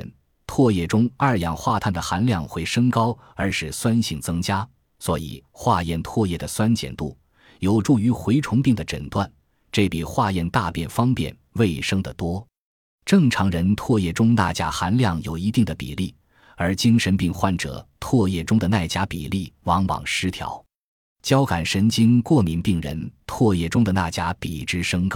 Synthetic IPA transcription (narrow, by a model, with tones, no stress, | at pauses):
t̪ʰwɔ˥˧jɛ˥˩ʈ͡ʂʊ˥ŋɐ˞˥˩jɑ˨˩ŋxwa˥˧t̪ʰa˥˩nd̪ə˩xa˧˥nljɑ˥˧ŋxwe˥˩ɪʂɤ˥ŋkɑ˥ʊ | ə˞˧˥ʂɻ̩˥˩swa˥nɕi˥˩ŋt͡sɤ˥ŋt͡ɕja˥ | swɔ˧˥ḭ˨˩xwa˥˧jɛ˥˩nt̪ʰwɔ˥˧jɛ˥˩d̪ə˩swa˥nt͡ɕjɛ̰˨˩nt̪ṵ˥˩ | jo˨˩ʊʈ͡ʂu˥˩y˧˥xwe˧˥ɪʈ͡ʂʰʊ˧˥ŋpi˥˩ŋd̪ə˩ʈ͡ʂə̰˨˩nt̪wa˥˩n | ʈ͡ʂe˥˩pi˨˩xwa˥˧jɛ˥˧nt̪a˥˧pjɛ˥˩nfɑ˥ŋpjɛ̰˥˩n | we˥˩ɪʂɤ˥ŋd̪ə˨t̪wɔ˥ | ʈ͡ʂɤ˥˩ŋʈ͡ʂʰɑ˧˥ŋɻə˧˥nt̪ʰwɔ˥˧jɛ˥˩ʈ͡ʂʊ˥ŋna̰˥˩t͡ɕja˥xa˧˥nljɑ˥˩ŋjo˨˩ʊi˧˥t̪i˥˩ŋd̪ə˩pḭ˨˩li˥˩ | ə˞˧˥t͡ɕi˥ŋʂə˧˥npi˥˧ŋxwa˥˩nʈ͡ʂɤ̰˨˩˦t̪ʰwɔ˥˧jɛ˥˩ʈ͡ʂʊ˥ŋd̪ə˨na˥˩ɪt͡ɕja˥pḭ˨˩li˥˩wɑ˧˥ŋwɑ̰˨˩ŋʂɻ̩˧˥t̪ʰjɑ̰˧˥ʊ | t͡ɕjɑ˥ʊka˨˩nʂə˧˥nt͡ɕi˥nkwɔ˥˩mi˧˥npi˥˩ŋɻə̰˧˥nt̪ʰwɔ˥˧jɛ˥˩ʈ͡ʂʊ˥ŋd̪ə˨na˥˩t͡ɕja˥pḭ˨˩ʈ͡ʂɻ̩˥ʂɤ˥ŋkɑ˥˩